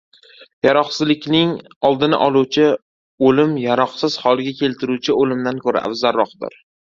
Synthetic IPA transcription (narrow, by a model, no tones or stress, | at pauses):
jaɾɒqsɪzlɪkʲnɪŋɒlˠd̪ɪnɪ̰ʔɒlˠuwt͡ʃʰɪ | olɪmjaɾɒqsɪz̥hɒlˠɪɡʲakʲʰe̞lt̪ʰɪɾuwt͡ʃʰɪolɪmd̪ankʰɵɾa̰ʔa̰vzaɾːɒqd̪ɪ̰ɾ